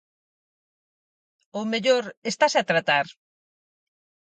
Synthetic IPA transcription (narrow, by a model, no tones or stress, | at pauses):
omeʎoɾest̪asat̪ɾat̪aɾ